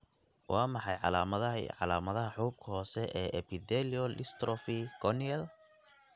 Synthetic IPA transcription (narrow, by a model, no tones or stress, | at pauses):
wɑːmɑħɑjʕɑ̰laːmɐðɐʕɑ̰laːmɐðɐɦɐħuːb̚kʰɐɦɔːsɛʔɛːʔɛpɪd̪ɛliɔlʔɪst̪ɾɔfiɡɔniɛl